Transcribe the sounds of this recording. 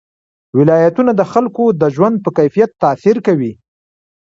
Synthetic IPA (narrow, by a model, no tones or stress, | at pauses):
wɪlɑjat̪unad̪əxalkod̪əʒwand̪̚pəkajfijat̪ːɑsiɾkawi